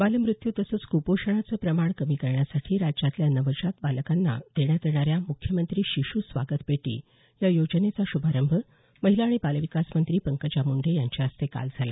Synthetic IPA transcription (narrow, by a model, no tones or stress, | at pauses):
baləmɾut̪jut̪əsəːt͡skupoʂəɳ̃at͡səːpɾəmaɳkəmiːkəɾɳjasaʈʰiːɾad͡ʑat̪ljanəʋəɕat̪baləkanːa̰d̪̥eɳjat̪eɽ̃aɾjamukʰjəmənt̪ɾiːɕiɕusʋa̰ɡət̪peʈḭː | jajod͡ʑnet͡saɕubʱaɾəmbʱə | məɦilaːɽ̃ibaləʋikasmənt̪ɾiːpəŋkət͡ɕamuɳɖʱejaɲt͡ɕaəst̪eka̰ld͡zʱala̰